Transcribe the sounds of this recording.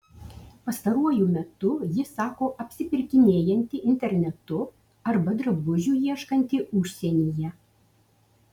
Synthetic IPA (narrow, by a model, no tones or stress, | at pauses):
pɐst̪ɐɾuɔjumʲɛt̪ʊjɪsɑːkoːʔɐpʲsʲɪpʲɪɾʲkʲɪnʲeːjɛnʲt̪ʲɪʔɪnʲt̪ʲɛɾʲnʲɛt̪ʊ | ɐɾbɐd̪ɾɐbʊʒʲuːjiɛʃkɐnʲt̪ʲɪʊʃʲsʲɛnʲijɛ